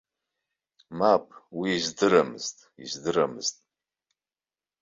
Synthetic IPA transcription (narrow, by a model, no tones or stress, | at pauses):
mapʼwiːzdɨɾamɨztʼizdɨɾamɨz̥tʼ